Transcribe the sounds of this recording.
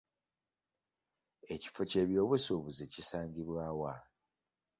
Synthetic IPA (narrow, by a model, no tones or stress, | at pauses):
e̞ci̥foce̞ːβjo̞ːβwesuβuzecisaːɲɟiβwaːwa